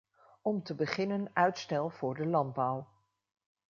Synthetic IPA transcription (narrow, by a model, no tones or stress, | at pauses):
ɔmtəbəχɪnənœɥtstɛlˠv̥ʊːɹdəlɑnd̚bɔw